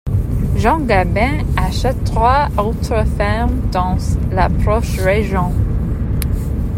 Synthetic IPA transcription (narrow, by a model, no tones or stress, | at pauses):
ʒɑ̃ɡabɛ̃aʃɛtːʁwaot̪ʁəfɛmd̪̥ɑ̃lapɾɔʃʁeʒjɔ̃